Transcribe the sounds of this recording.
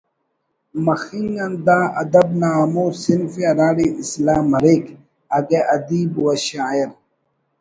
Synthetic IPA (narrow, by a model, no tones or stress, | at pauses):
mɐxiŋɡɐnd̪aːɐ̰d̪ɐbnaːmoːɾsinfiɐɾaːɽiʔislaːmɐɾik | ɐɡeʔɐd̪iːbuwɐɕaːiɾ